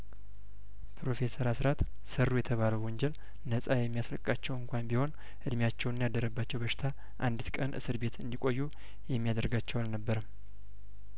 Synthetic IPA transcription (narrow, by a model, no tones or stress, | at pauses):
pʰɾo̞fe̞səɾasɾat̪ | sərːujɛt̪ʰəβaləwwɔɲd͡ʒɛl | nəsʼajɛmːijasləkʼːat͡ʃːɛwɨŋkʷajmbiho̞n | ʔɨd̪mjat͡ʃːɛwnɨnjad̪əɾəbːat͡ʃːɛwbəʃɪ̥t̪ʰa | ʔand̪ɨt̪kʼənʔɨ̰sɨɾbe̞t̪ɨ̰nd̪ikʷʼo̞jːu | jɛmːijad̪əɾɡat͡ʃːɛwalnəbːəɾəm